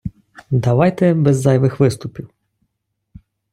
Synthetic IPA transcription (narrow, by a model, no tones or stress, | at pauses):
d̪ɐʋɑjt̪ɛbɛzːɑjʋɪxʋɪst̪ʊpʲiw